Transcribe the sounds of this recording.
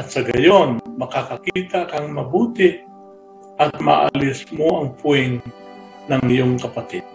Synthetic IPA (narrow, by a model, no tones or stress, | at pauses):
ʔɐt̪sɐɡɐjonmɐkakɐkiːt̪akɐŋmɐbuːt̪ɪʔ | ʔɐt̪̚ma̰ʔa̰lɪsmoɐŋpʊɛŋ | nɐŋjoŋkɐpat̪ɪd̪̥̚